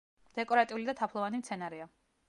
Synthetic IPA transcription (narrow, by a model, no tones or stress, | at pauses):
d̪̥ɛkʼɔɾat̪ʼiulid̪at̪ʰapʰlˠɔvanimt̪sʰɛnaɾɛa